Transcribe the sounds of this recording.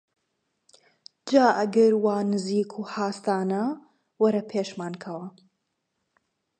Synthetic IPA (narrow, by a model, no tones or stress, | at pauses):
d͡ʒaːʔɐɡɐɾwaːnɨziːkʰuhaːst̪aːnɐ | wɐɾɐpʰeːʃmaːnkʰɐwɐ